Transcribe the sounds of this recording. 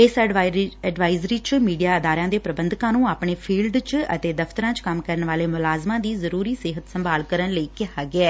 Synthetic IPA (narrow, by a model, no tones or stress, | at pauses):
ɪsɛɖʋaːɪzɾiːt͡ʃmiːɖijaːəd̪aːɾãːd̪eːpɾəbə̃nd̪kãːnũːaːpɳeːpʰiːlɖt͡ʃə̰t̪eːd̪əfʰt̪əɾãːt͡ʃkəmkəɾənʋaːleːmʊlaːzmãːd̪iːzəɾuːɾiːsɪɦət̪səmbaːlkəɾənləiːkɪɦaːɡɪɛː